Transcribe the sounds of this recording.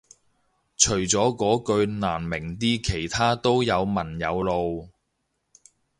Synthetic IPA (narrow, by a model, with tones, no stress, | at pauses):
t͡ʃʰɵ˨˩ɥt͡sɔː˨˥kɔː˨˥kɵ˧ɥnaː˨˩nmɪ˨˩ŋt̪̬iː˥kʰe˨˩jt̪ʰaː˥t̪o˥wjɐ˨˧wmɐ˨˩njɐ˨˧wlo˨˧w